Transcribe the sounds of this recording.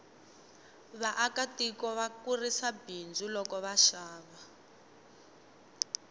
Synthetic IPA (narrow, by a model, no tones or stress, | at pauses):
βaʔakatikɔβakurisabind͡zulɔkɔβaʃaːβa